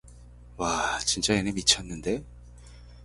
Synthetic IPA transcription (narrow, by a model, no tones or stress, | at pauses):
wat͡ɕint͡ɕ͈ajenɯmit͡ɕʰʌnːɯnde̞